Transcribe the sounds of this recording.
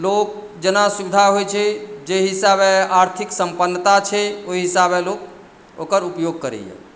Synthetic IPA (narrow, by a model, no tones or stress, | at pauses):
lok̚ | d͡ʒənasubid̪ʱaɦojt͡ʃʰɛd͡ʒeɦisabeaɾt̪ʰiksəmpənːət̪at͡ʃʰɛoiɦisabelok̚ | o̰kəɾupjoɡ̚kəɾɛ̰jɛ̰